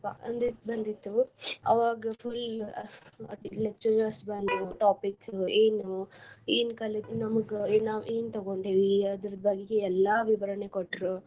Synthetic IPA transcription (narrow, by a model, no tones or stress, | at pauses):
pːɐnd̪ibɐnd̪it̪ːuɐ̰ʋaːɡɐpʰul | ɐʈilek̚t͡ʃɐɾɐɾsbɐnd̪uʈaːpikseːnueːnkɐled͡ʒnɐmɐɡenaːʋeːnt̪ɐɡoɳɖeːʋiɐd̪uɾd̪̚baːɡiɡeɛlːaːʋiʋɐɾɐnekoʈːɾu